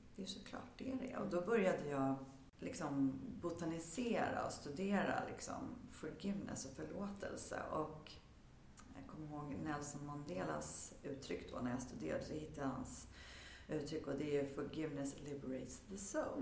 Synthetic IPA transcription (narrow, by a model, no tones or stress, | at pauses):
d̪̥ɛjsɔkʰlɑ̰ːʈ̚d̪ɛæɾɛ̰ɔ̰d̪ɔbœɾjad̪əjɑː | lʔɪksɔmbʊt̪anɪseːɾa̰ɔst̪ɵd̪eːɾa̰lɪ̰ksɔ̰mfœɾɡɪvnʔə̰sɔfœɭoːt̪ʰɛ̰lsə̰ʔɔk | jɑ̰ɡkʰɔmːəɾɦoːɡnɛlsɔnmɔnd̪eːla̰sʉ̟ːt̪ʰɾʏkːd̪ɔnæɾjast̪ɵd̪ḛːɾa̰d̪əsɔhɪt̪ːaha̰ns | ʔʉ̟ːt̪ʰɾʏkːɔd̪ɛʉfœɾɡɪvnəslɪbəɾɛɪt̪sðəso